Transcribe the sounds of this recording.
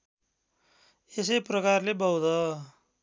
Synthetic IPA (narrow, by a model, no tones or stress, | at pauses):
esʌjprʌkarlebʌwd̪ʌ